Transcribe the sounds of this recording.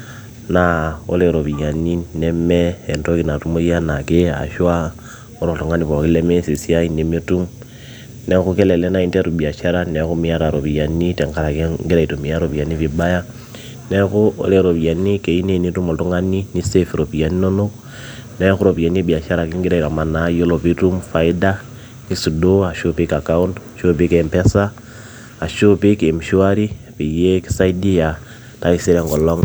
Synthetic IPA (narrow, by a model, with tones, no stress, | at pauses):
na˨o̰˦le˨ɾo˨pi˨ja˨ni˦nɛ˦mɛ˦ɛ˨nto˦ki˨na˨tu˦mo˦i˦a˦na˨ke˦a̰˨ʃwa˦ | o˦ɾo˨to˨ŋa˦ni˦pɔ˨ki˦lɛ˦mɛ˦si˨si˦a˦i˦ne˨mi˦tu˦m | nɛ˨ku˦kɛ˦lɛ˨lɛ˦na˦i˦ntɛ˦ɾu˨bi˨a˨ʃa˦ɾa˦nɛ˨˦ku˦mi˦a˦ɾa˨ɾo˨pi˨ja˨ni˦tɛ˨ŋka˦la˨ke˦ŋɡe˦ɾa˨i˨to˨mi˨a˦ɾo˨pi˨a˨ni˦fi˨ba˦ja˦ | nɛkuo̰˦le˦ɾo˨βi˨a˨ni˦ke˨i˦ne˨ni˦tu˦mo˨tu˦ŋa˦ni˦ni˦sefiɾo˨pi˨ja˨ni˦no˦no˦ | neku˦ɾo˨pi˨a˨ni˦bi˨a˨ʃa˦ɾa˨ki˦ŋɡi˦ɾa˦˨i˨ɾa˨ma˨najo˦lo˨βiɾu˦mfa˨i˦da˦ | ni˦su˨doa˨ʃo˦pika˨ka˦undʃo˦pi˦kempɛ˦sa˦ | a˨ʃo˦pi˦ke˨mi˨ʃu˦aɾi˦ | pi˨je˦ki̥˦sa˦i˦di˦ja˨ | ta˦i˨si˦ɾɛ˨ŋɡɔ˨lo˦ŋ